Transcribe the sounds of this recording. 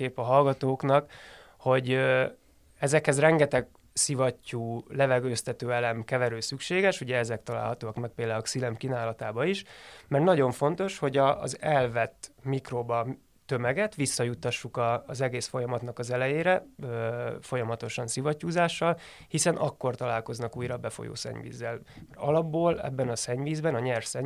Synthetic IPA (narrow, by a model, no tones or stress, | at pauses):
eːpɒɦɒlɡɒt̪oːknɒk | ho̞ɟø | ɛzɛkhɛzrɛŋɡɛt̪ɛɡ | sivɒcːuːlɛvɛɡøːst̪ɛt̪øːɛlɛmkɛvɛɾøːsykʃeːɡɛʃuɟɛɛzɛk̚t̪ɒla̰ːlhɒt̪oːɒkmɛk̚peːld̪aːulksilɛmkinaːlɒt̪aːbɒiʃmɛrt̪nɒɟo̞ɱfo̞nt̪o̞ʃho̞ɟɒ̰ːzɛlvɛt̪ːmikrobɒː | ø̞mɛɡɛt̪ʋisːɒjut̪ːɒʃːukɒːzɛɡeːsfo̞jɒmɒt̪nɒkɒzɛlɛjeːɾɛøfo̞jɒmɒt̪o̞ʃɒnsivɒcːuːzaːʃːɒl | hisɛnʔɒkːo̞rt̪ɒlaːlko̞znɒkuːjɾɒbɛfo̞̰jo̰ːsɛ̰ɲvḭːzːɛl | mɛrɒlɒbːoːlɛ̰bːɛnɒsɛɲviːzbɛnɒɲɛrfsɛɲ